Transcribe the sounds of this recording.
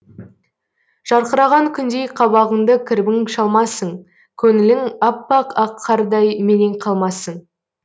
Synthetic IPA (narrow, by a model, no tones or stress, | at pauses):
ʒ̥ɑɾqəɾɑʁɑŋkʲʰʏnd̪e̞jqʰɑβɑʁəɴd̪əkʲʰɪɾbɪŋʃɑlˠmɑsəɴ | kʲʰɵŋɪlɪŋɑpːɑqɑqʰːɑɾd̪ɑjmeneŋqʰɑlˠmɑsəɴ